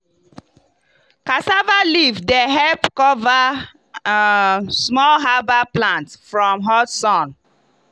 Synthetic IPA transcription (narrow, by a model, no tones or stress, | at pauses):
kasavalivdeɦɛlpkɔva | smɔlɦabaplãntfɹɔ̃mɦɔtsɔ̃n